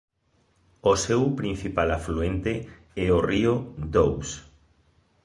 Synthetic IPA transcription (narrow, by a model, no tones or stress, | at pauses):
osewpɾin̟θipalafluent̪e | ɛoriod̪ows